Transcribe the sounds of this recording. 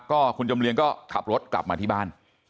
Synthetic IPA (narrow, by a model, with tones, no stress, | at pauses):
kɔː˥˩kʰu˧nt͡ɕa˧mli˧ŋkɔː˥˩kʰa̰˨˩p̚ɾo˦˥t̪̚kla˨˩p̚maː˧t̪ʰiː˥˩baː˥˩n